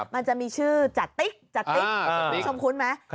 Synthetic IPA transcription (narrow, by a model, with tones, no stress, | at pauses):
ma˧nt͡ɕa˨˩miː˧t͡ɕʰɯː˥˩t͡ɕa˨˩t̪ːi˦˥k̚t͡ɕa˨˩t̪ːi˦˧˦so˨˩mkʰu˧nma˦˥j